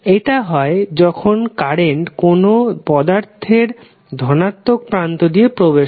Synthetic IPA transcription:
eʈaɦɔed͡ʑɔkʰonkaɾeɳʈkonopɔd̪aɾt̪ʰeɾ | d̪ʱɔnat̪ːok̚pɾant̪od̪iepɾobeʃ

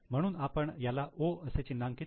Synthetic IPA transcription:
m̤əɽ̃uːnapəɳjalaʔoəset͡ɕinːaŋki

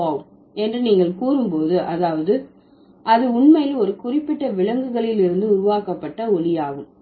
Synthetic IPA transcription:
oːm | ɛndrɯniːŋɡɐɭkuːɾɯmpoːðɯʔɐðaːʋɐðɯ | ʔɐðɯʊɳmɐjɪlɔɾɯkʊrɪpːɪʈːɐʋɪɭɐŋɡɯɣɐɭɪlɪɾɯnd̪ɯʊɾʊʋaːkɐpːɐʈːɐɔɭɪjaːɣɯm

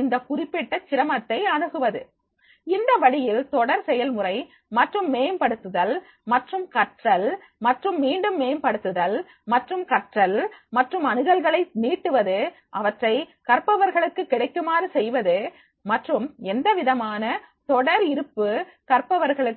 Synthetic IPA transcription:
ɪnd̪ɐkʊrɪpːɛʈːɐt͡ʃːɪɾɐmɐt̪ːɐɪɐɳɯɣɯʋɐðɯ | ɪnd̪ɐʋɐɽɪjɪlt̪ɔɽɐɾsɛjɐlmʊrɐɪ | mɐʈrɯmːeːmpɐɽɯt̪ːɯðɐl | mɐʈrɯmkɐʈrɐl | mɐʈrɯmːiːɳɖɯmːeːmpɐɽɯt̪ːɯðɐl | mɐʈrɯmkɐʈrɐlmɐʈrɯmɐnɯɣɐlɣɐɭɐɪniːʈːɯʋɐðɯ | ʔɐʋɐʈrɐɪkɐɾpɐʋɐɾɣɐɭɯkːɯkːɪɽɐɪkːɯmaːɾɯsɛjʋɐðɯ | mɐʈrɯmɛnd̪ɐʋɪðɐmaːnɐt̪ɔɽɐɾɪɾɯpːɯ | kɐɾpɐʋɐɾɣɐɭɯ

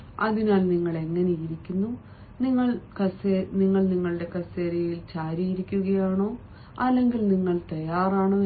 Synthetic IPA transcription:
ɐðinaːlniŋːɐɭe̞ŋːɐnejiɾikʲːunːu | niŋːɐɭkɐseniŋːɐɭniŋːɐɭɨɽe̞kɐseːɾɐjilt͡ɕaːɾijiɾikʲːuɣɐjaːɳo̞ː | ɐlːe̞ŋɡilniŋːɐɭt̪ɐjaːraːɳo̞ː

